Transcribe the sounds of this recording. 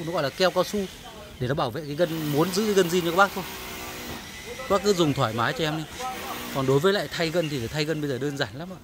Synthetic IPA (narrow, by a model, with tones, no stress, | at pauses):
n˨˦ɣɔ̰˧˨laː˨˩kɛ˧wkaː˧su˧ | ɗe˧˩nɔ˨˦ɓaː˧˩wvḛ˧˨kaː˨˦ɣə˧nmu˨˦nzɨ̰˧˥˨ɣə˧nzi˧t͡ɕɔ˧kːɓaː˦˥k̚t̪ʰo˧j | kɓaː˦˥kɨ˨˦zʊ˨˩ŋ͡mt̪ʰwaː˧˩jmaː˨˦jt͡ɕɔ˧ʔɛ˧mɗi˨˦kɔ˨˩nɗo˨˦jvəː˨˦jla̰ː˧˨jt̪ʰa˧jɣə˧nt̪i˨˩laː˨˩jt̪ʰa˧jɣə˧nɓə˧zəː˨˩ɗəː˧nzaː˧˩ŋlaː˨˦mʔa̰ː˧˨